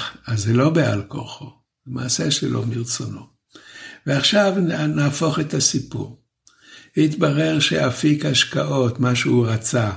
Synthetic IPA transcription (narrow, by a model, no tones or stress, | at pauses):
azelo̞bea̰lko̰χo | lemaːseʃelomiʁt͡sono̞ | veaχʃavnaːfo̞χet̪asipṵʁ | hit̪baʁe̞ʁʃeʔafikhaʃkaʔo̞tmaʃeuʁat͡sa